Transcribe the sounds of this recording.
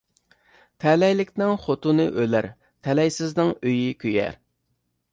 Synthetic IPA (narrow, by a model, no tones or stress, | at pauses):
t̪ʰɛlɛjlɪkʲnɪŋχot̪ʊnɨʔølæɾ | t̪ʰɛlɛjsɪznɪŋøjikʲʰøjɛ̰ɾ